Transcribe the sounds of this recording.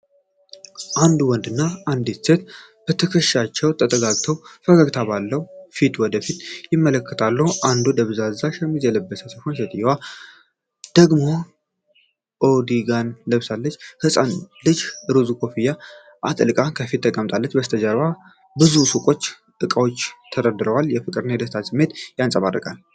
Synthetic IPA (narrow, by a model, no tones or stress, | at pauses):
ʔand̪uwɔnd̪ɨnːaand̪et̪se̞t̪b̥ət̪ʰəkʰəʃat͡ʃːɛwt̪ʼət̪ʼəɡazt̪ʰəwfəɡaɡt̪ʰabalːəhufit̪wɔd̪əfit̪jɪmːələkʰːət̪ʰalːəhuʔand̪od̪əβzazaʃɛmːizɛləbːəsəsəhonʃet̪ʼɨjɛwa | d̪̥əɡmo̞ | ʔod̪iɡanləβsalːət͡ʃːhɨsʼanlɨd͡ʒɨɾɨzukʰo̞fijːa | ʔat̪ʼɨlɨkʼakʰəfit̪ʰːəkʼəmt̪ʼalːət͡ʃːbəst̪ʰəd͡ʒəɾβa | bɨzusɨkʼo̞t͡ʃː | t̪ʼɨkʼawo̞t͡ʃːt̪ʰəd̪əd̪ɨɾəwaljɛfɨkʼɨɾɨnajɛd̪əst̪ʰasɨmːe̞t̪jansʼəβa̰rːə̰kʼal